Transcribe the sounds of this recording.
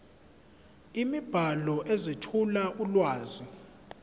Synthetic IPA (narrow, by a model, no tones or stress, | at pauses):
imib̥ʱalɔʔezitʰulaʔulwaːzi